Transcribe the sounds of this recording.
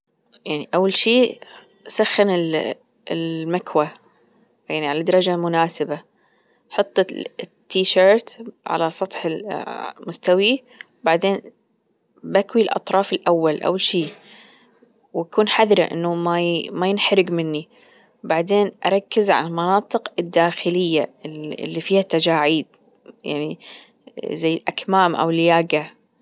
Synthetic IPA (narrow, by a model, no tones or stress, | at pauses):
jaʕniʔawːalʃiː | saxːɪnɪl | lmakwa | jaʕniʕalad̪ɑɾˤɑd͡ʒamʊnaːsɪba | ħɑt̪ˤːɨt̪ːiːʃɑːɾˤt̪ʕa̰lasˤɑt̪ˤħɪlmʊst̪awi | wbaʕd̪eːn | bakwilʔɑ̰t̪ˤɾˤɑːfɪlʔawːalʔa̰wʃiː | wakuːnħaðɾa̰ʔɪ̰nːumamajɪnħaɾɪɡmɪnːi | wbaʕd̪eːnʔɑɾˤɑkːɪzʕa̰lalmɑnɑːt̪ˤɨqɪd̪ːaːxɪlɪjːa̰lːifiːhat̪ːad͡ʒaːʕiːd̪̚ | ja̰ʕni | zajːlʔakmaːmʔa̰wljaːɡa